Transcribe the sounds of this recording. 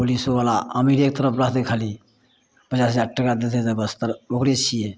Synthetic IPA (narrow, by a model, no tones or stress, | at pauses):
pulisoʋalaʔəmiɾek̚t̪əɾəpʰɾaɦt̪ekʰali | pət͡ʃasd͡ʒaʈ̚ʈəkad̪et̪ʰed͡ʒəbəst̪əɾokɾet͡ʃʰije